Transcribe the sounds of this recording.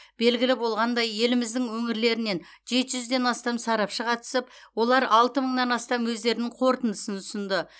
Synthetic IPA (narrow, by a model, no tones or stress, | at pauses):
b̥e̞lɡʲɪlɪbo̞lˠʁɑnd̪ɑje̞lɪmɪzd̪ɪŋwɵŋɪɾle̞ɾɪne̞n | ʒe̞t̪ɪʒʏzd̪e̞nɑst̪ɑmsɑɾɑpʃəqʰɑt̪ə̥səp̚ | wo̞lˠɑɾɑlˠt̪əməɴnɑnɑst̪ɑmwɵzd̪e̞ɾɪnɪɴqʰo̞ɾt̪ənd̪əsənʰʊsənd̪ə